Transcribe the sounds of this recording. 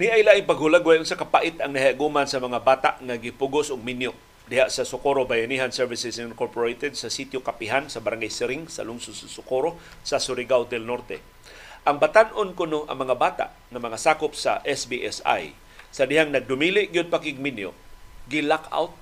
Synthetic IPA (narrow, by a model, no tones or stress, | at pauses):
niʔajlaʔɪŋpaɡhʊlaɡwajʔʊnsakɐpaʔɪt̪aŋnɐhiaɡumansɐmɐŋabaːt̪a̰ʔŋaɡɪpuɡʊsʊɡ̚minjoʔ | d̪ɪhaʔsasʊkoɾobajaniːɦansɛɹvɪsɪsɪnkoɾpoɹejt̪ɛd̪̚sɐsit̪jokapɪɦansɐbaɾaŋɡajsɪɾɪŋsɐ̰lʊŋsʊd̪sʊsʊkoɾo | sɐsʊɾɪɡawt̪ɛlnoɾt̪ɛ̰ | ʔaŋbat̪anʔonkʊnoʔɐ̰ŋmɐŋabaːt̪a̰ʔ | ŋɐmɐŋasaːkʊpsa̰ʔɛsbiʔɛsa̰j | sɐd̪ɪhaŋnɐɡ̚d̪ʊmilɪʔɡjod̪̚pakɪɡ̚minjo̰ʔɡɪlakʰa̰wt̪̚